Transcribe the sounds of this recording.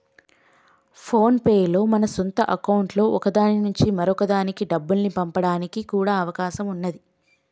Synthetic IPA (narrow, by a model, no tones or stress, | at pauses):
pʰoːnpeːjlo̞ːmɐnɐsont̪ɐʔɐkɐwuɳʈlo̞ːɔkɐd̪aːninuɲt͡ʃimɐɾɔkɐd̪aːnikiɖɐbːulnipɐmpɐɽaːnikikuːɽaːɐʋɐkaːʃɐmunːɐd̪i